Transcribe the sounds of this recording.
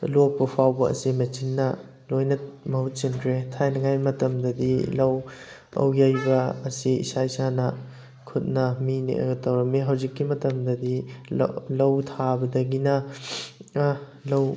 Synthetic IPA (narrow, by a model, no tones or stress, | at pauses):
lok̚pɐpʰawbɐɐ̰simɐt͡ʃinːɐ | lojnɐmɐhut̚t͡ʃinkʰɾetʰajnɐɡajmɐtɐmdɐdilɐw | ɐ̰wjajbɐːsiḭsaisanɐ | kʰut̚nɐminḭʔɐ̰ɡɐtɐwɾɐmeɦawzikːimɐtɐmdɐdḭ | lɐwtʰabɐdɐɡinɐ | lɐw